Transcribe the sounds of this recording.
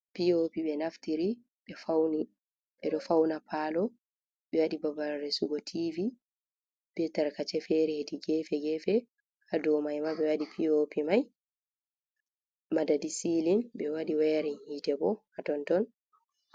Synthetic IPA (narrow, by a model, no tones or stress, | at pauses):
piopiɓɛnaftiɾi | ɓɛfawni | ɓɛɗɔfawnapʰalɔ | ɓɛwaɗibabaɾɾɛsuɡɔtʰivi | b̥ɛtaɾkat͡ʃɛfɛɾɛhediɡɛfɛɡɛfɛ | hadɔmajmaɓɛwaɗipʰiopimaj | madadisilinbɛwaɗiwɛɾɛnhiːtɛbɔhatɔntɔn